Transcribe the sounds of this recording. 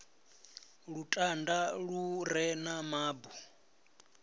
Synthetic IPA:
ɺutʼandaɺuɾɛnamaːbu

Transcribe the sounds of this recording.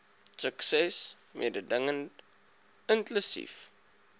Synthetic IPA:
səksɛs | mʔḭədədəŋən | ənklusḭf

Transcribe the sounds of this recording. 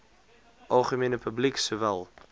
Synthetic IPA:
ʔɑlˠχəmiːnəpʰəbliksuvælˠ

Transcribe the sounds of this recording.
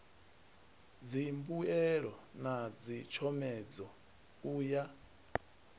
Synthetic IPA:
d͡zimbuɛɺɔnad͡zit͡ʃʰɔmɛd͡zɔ | uːja

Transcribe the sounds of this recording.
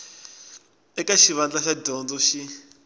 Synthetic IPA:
ɛkaʃiβand͡ɮaʃadɔnd͡zɔʃi

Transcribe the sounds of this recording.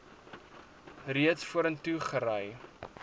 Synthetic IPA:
riətsfuəɾəntuχəɾəj

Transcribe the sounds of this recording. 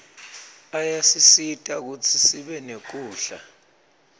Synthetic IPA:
ajasisitʼak̬ut͡sʰisiɓɛnek̬uːɬa̰

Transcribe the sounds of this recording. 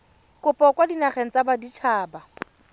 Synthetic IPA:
kʼʊpʼɔkʼwadinaχɛŋ̩t͡sʼabadit͡ʃʰaːba

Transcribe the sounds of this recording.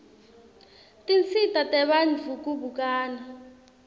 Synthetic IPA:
tʼint͡sitʼatʼɛɓand͡ɮʱuk̬ʼuɓuk̬ʼaːna

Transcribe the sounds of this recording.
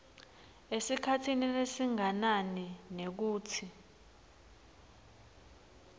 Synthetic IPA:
esikʰatʰininesiŋananinek̬uːtʰi

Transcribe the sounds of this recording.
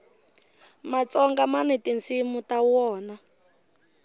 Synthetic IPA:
mat͡sɔŋɡamanɛtint͡simutawɔːna

